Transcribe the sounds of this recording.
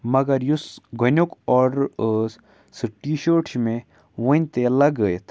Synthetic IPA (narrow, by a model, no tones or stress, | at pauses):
mɐɡɐɾjusɡʱonʲokɔɾ | sɨʈiʃoʈɕme | ʋənʲt̪elɐɡəjt̪ʰ